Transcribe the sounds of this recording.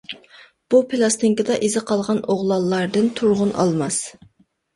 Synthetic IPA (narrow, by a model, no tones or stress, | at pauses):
b̥upʰelˠɑst̪ɪŋkʲɪd̪ɑʔezɪqʰɑlˠʁɑnoʁlˠɑlˠːɑɾd̪ɨnt̪ʰuɾʁʊnʔɑ̰lˠmɑs